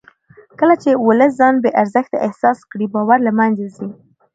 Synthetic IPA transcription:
kəlat͡ʃewʊləs̬zɑnbeʔaɾzəxt̪a̰ʔɪhsɑskɽibɑwaɾləmanzazi

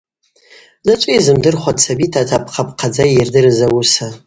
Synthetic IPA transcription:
zat͡ʃʷʼiizɨmdɨrχʷadt͡sʰabitʰatʰapʰqʰapʰʼqʰad͡zajirdɨrɨzawusa

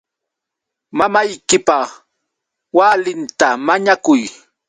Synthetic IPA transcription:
mamajkɪpaχ | walɪnt̪amaɲakʊj

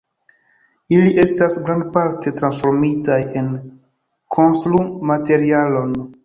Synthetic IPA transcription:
iliʔe̞stasɡɾandpaɾte̞tɾansfo̞ɾmitaje̞n | kʰo̞nstɾumate̞ɾialo̞n

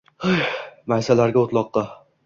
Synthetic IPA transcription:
ajmajsalaɾɡʲaot̪lˠɒqːɑ

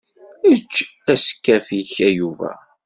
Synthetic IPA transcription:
ət͡ʃːæsə̥kːæfiçæjuvæ̰

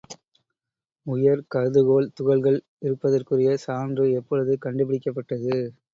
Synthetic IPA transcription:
ʊjɐɾkɐðɯɣoːlt̪ʊɣɐɭɣɐɭ | ɪɾɯpːɐðɐrkɯrɪjɐsaːndrɯɛpːɔɻɯðɯkɐɳɖɯpɪɽɪkːɐpːɐʈːɐðɯ

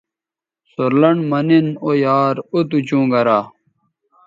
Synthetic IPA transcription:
soɾlɐɳmɐninojaːɾut̪ut͡ɕũːɡɐɾaː

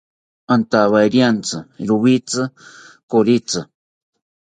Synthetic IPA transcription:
ant̪aβajɾjant͡sɨɾuβit͡sɨ | koɾit͡sɨ

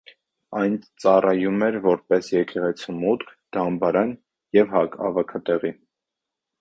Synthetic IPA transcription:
ɑjnt͡sɑrɑjumɛɾvɔɾpɛsjɛkɛʁɛt͡sʰumut̪kʰd̪̥ɑmbɑɾɑn | jɛvhɑkɑ̰vɑkʰɑt̪ɛʁi

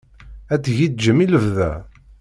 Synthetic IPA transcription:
æd̪ʝid̪̚d͡ʒəmiləvðæ̰

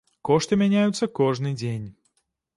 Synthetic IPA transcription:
kɔʂt̪ɨmʲanʲajut̪sːɐkɔʐnɨd͡zʲenʲ

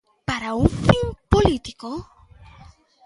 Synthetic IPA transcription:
paɾaufiŋpolit̪iko

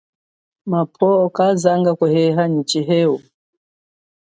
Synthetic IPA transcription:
mapʰɔɔkazaŋɡakwɛhɛɦaɲit͡ʃiɦɛu

